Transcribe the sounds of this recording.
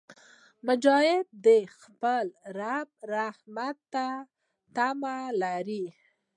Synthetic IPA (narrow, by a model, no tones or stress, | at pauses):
mʊd͡ʒɑjɪb̚d̪əxpəlɾab̚ɾahmat̪ːa | t̪amalaɾi